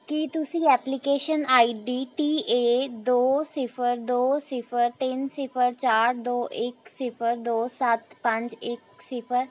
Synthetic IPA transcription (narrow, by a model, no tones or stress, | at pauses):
kit̪ʊsĩːɛːplikeːʃənaːiːɖiːʈiːʔeːd̪oːsɪpʰəɾd̪oːsɪpʰəɾt̪ɪnsɪpʰəɾt͡ʃaːɾd̪oːʔɪksɪpʰəɾd̪oːsət̪pə̃ɲd͡ʒɪksɪpʰəɾ